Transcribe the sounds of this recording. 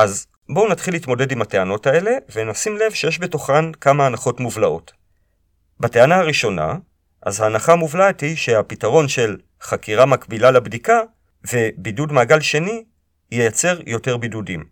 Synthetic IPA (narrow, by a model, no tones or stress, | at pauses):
ʔaz | bo̞unatχilːitmo̞dedimate̞ano̞tae̞le̞ve̞nasimle̞vʃe̞je̞ʃbeto̞χankamaːnaχo̞tmuvlao̞̰t | bate̞anaaʁiʃo̞na̰ | ʔa̰zhaːnaχamuvlaethiʃe̞apitaʁo̞nʃe̞l | χakiʁamakbilalebdika | ve̞bidudmaːɡalʃe̞ni | jejat͡se̞ʁjo̞te̞ʁbidudim